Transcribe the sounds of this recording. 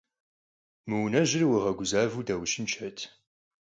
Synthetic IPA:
məwnɐʒɪɾwiʁɐɡʷʊzaːvudɐwʃɪnt͡ʃʰɐtʰ

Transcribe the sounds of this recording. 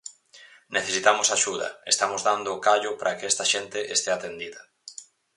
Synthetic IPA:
neθesit̪amʊsaʃuðɐ̰est̪amozðand̪ʊːkaʎʊpaɾʔɐkɛst̪ɐʃent̪ɪʔest̪eat̪end̪iðɐ

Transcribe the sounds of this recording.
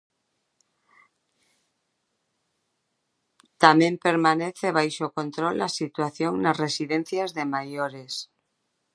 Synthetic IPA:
t̪amẽmpeɾmaneθeβ̞ajʃokõnt̪ɾolasit̪waθjoŋnasresiðẽn̟θjazðemajoɾes

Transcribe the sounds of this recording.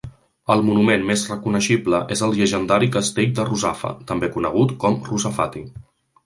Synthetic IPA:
əlˠmunumenmezrəkunəʃibləʔezəlˠʒəʒənd̪aɾikəst̪eʎd̪əruzafə̰t̪əmbekunəɣ̞ut̪kɔmruzəfat̪i

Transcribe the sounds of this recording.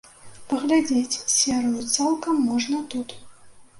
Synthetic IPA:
pɐɣlʲad͡zʲet͡sʲsʲɛɾɨjut̪salˠkɐmːɔʐnɐt̪ut̪

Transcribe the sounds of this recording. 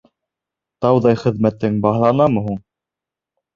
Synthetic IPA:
t̪ɑwðɑjχɘ̆ðmæt̪ːɘŋbɑɦlˠɑnɑmɤ̆ɦuɴ

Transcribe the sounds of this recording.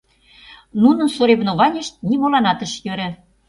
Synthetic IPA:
nunə̆nsoɾeβnoβɑnʲĕʃt̪̚nimolɑnɑt̪ə̆ʃjøɾɘ̆

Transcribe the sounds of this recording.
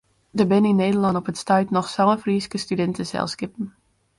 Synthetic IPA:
dəbɪninːeːdəlɑntɔpətstœɥtnɔxsɑlˠəfriːskəstydɛntəsɛ̰lˠskɪpən̩

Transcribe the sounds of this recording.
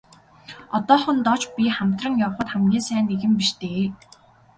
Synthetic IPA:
ɔt̪ɔːχə̆nt̪ɔt͡ɕpʲiχam̥t̪rə̆ŋjaw̆χə̆t̪χamɡiːsæːneɣɘ̆mpiʃt̪eː

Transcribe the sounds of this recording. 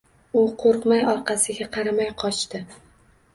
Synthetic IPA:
ʊqʰoɾqmajɒɾqʰɑsɪɡʲaqʰɑɾamajqʰɒt͡ʃt̪ɪ

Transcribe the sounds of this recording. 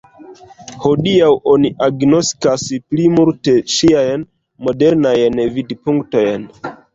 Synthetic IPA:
ho̞diawʔo̞niʔaɡno̞skasplimulte̞ʃiajn | mo̞de̞ɾnajnvidpuŋkto̞jn

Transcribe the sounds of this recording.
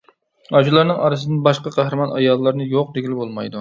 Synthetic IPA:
ɑd͡ʒulˠɑɾnɨŋʔɑ̰ɾɨsɨd̪ɨnbɑʃqɑqʰæhɾɨmɑnɑ̰jɑlˠːɑɾnɨjoq̚d̪eɡʲilɪbolˠmɑjd̪u

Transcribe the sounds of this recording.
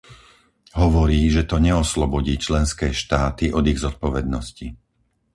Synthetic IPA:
ɦɔʋɔɾiːʒɛt̪ɔɲɛɔslɔbɔɟiːt͡ʃlɛnskɛːʃt̪aːt̪iʔɔd̪iɣzɔt̪̚pɔʋɛd̪nɔsci

